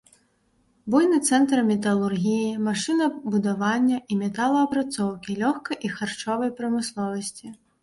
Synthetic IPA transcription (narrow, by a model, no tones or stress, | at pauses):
bujnɨt̪sɛnt̪ɾmʲɛt̪ɐlˠurɣʲijimaʂɨnɐbud̪avanʲːɐʔimʲɛt̪alˠɐɐpɾat̪sɔwkʲilʲɔxkɐjʔixart͡ʂɔvɐjpɾɐmɨslˠɔvɐsʲt͡sʲi